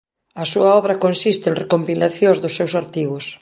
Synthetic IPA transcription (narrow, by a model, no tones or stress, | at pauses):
ɐsuɐɔβ̞ɾɐkonsist̪ɪenrekompilaθjõzðʊsːewsaɾt̪iɣʊs